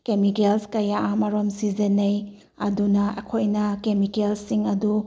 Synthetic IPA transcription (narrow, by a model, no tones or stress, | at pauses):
kemikelskɐjaamɐɾomsizenɐj | ɐdunɐɐ̰kʰojnɐkemikelsiŋɐdu